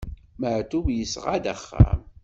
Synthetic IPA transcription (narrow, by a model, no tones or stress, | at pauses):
məʕt̪uvjəsʁad̪æ̰χːa̰m